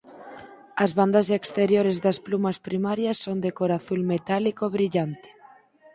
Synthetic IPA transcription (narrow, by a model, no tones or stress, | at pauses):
ɐzβand̪ɐzekst̪eɾjoɾezðɐsplumɐspɾimaɾjɐsːond̪ekoɾaθulmet̪alikoβɾiʎant̪ɪ̥